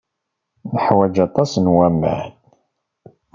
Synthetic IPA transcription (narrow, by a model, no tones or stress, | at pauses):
nəħwæd͡ʒɑt̪ˤɑsnwæmə̰ʕn